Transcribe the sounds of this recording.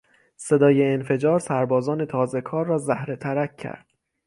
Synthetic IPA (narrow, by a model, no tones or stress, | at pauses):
se̞d̪ɒːje̞ːnfe̞d͡ʒɒːɾsæɾbɒːzɒːne̞t̪ʰɒːze̞kʰɒːɾːɒːzæhɾet̪ʰæɾækʲʰːæ̰ɾd̪̥